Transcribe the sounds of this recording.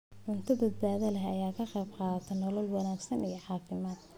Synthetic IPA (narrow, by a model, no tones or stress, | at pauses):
ʕʊnt̪ʰɐbɐd̪̚baːðɐlɐɦɐjaːkʰɐqɛjbqɑːt̪ʰɛnɔlɔlwɑnaːɡsɐnijɞʕɑːfɪmaːd̪̚